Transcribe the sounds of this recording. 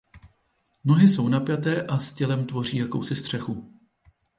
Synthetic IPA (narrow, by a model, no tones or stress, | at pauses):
no̞ɦɪso̞wnapjat̪ɛːʔascɛlɛmt̪vo̞r̝iːjako̞wsɪst̪r̥ɛxu